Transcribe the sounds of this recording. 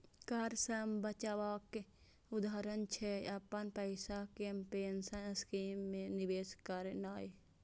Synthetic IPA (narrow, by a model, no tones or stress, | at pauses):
kaːɾsəmbət͡ʃaːʋaːke | ʊd̪aːɾənt͡ʃʰeɐpənpəɪsakempeːnsaskiːmːẽniʋeːskəɾenaːj